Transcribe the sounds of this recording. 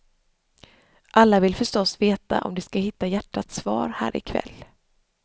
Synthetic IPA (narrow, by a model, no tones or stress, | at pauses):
ʔalːavɪlfœʂʈɔsveːt̪a̰ʔɔ̰md̪ɛskaɦɪt̪ːajæʈːat̪svɑ̰ːɾhæ̰ːɾɪ̰kʰvɛ̰lː